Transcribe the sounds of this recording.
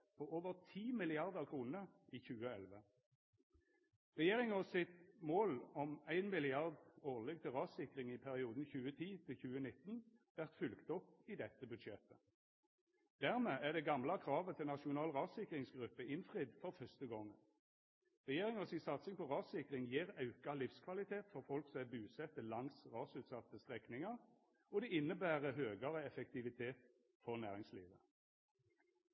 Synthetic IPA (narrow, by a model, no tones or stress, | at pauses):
pʰoʔoːʋəʁt̪ʰiːmɪlɪɑʁd̪əʁkʰʁuːnəʔiːçʉːəɛlʋə | ʁɛjeːʁɪŋɔsɪt̪moːlɔmæɪnmɪlɪɑʁd̪oːʁlɛɡ̚t̪ʰɪlʁɑːsɪkʁɪŋɪpʰæʁɪuːd̪n̩çʉːət̪ʰiːt̪ʰɪlçʉːənɪt̪ːn̩ʋæʁt̪fʏlkt̪ɔpːɪd̪ɛt̪ːəbʉd̪ʃɛt̪ə | d̪̥æʁmeːæʁd̪ɛɡɑmlɑkʰʁɑːʋət̪ʰɪlnɑʃʊnɑːlʁɑːsɪkʁɪŋsɡʁʉpːəɪnfʁɪd̪fɔʁfœst̪əɡɔŋː | ʁɛjeːʁɪŋəsɪsɑt̪sɪŋpʰɔʁɑːsɪkʁɪŋjeːʁɑʉkɑlɪfskʰʋɑlɪt̪ʰeːt̪fɔʁfɔlksɔæbʉːsɛt̪əlɑŋsʁɑːsʉːt̪sɑt̪ːəst̪ʁɛknɪŋɑʁ | ɔd̪ɛɪnːəbæːʁəɦøːɡɑʁəɛfɛk̚t̪ɪʋɪt̪ʰeːt̪ | fɔʁnæːʁɪŋslḭːʋə̰